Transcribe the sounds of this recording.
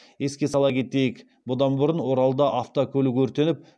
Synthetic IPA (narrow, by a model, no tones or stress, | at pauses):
e̞skʲe̞sɑlˠɑkʲe̞t̪e̞jɪk | bʊd̪ɑnbʊɾənwo̞ɾɑlˠəd̪ɑʔɑft̪okʲʰɵlɪkʲɵɾt̪e̞nɪp̚